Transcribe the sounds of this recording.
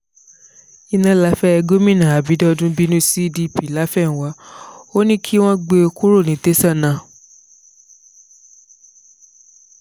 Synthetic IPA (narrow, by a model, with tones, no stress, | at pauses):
i˧nã˧la˨˦fɛ˦ɛ˧ɡo˦mĩ˦˨nã˨a˨bi˨˦dɔ˦dũ˦bi˦nũ˦si˦di˦˨pi˨˦˨la˨˦fɛ˦˨ñ̩˨wa˨˦o˦nĩ˦kʰi˦w̃ɔ̃˦ɡ͡be˧kʰu˦ɾo˦˨nĩ˨˦te˦sã˦˨nã˨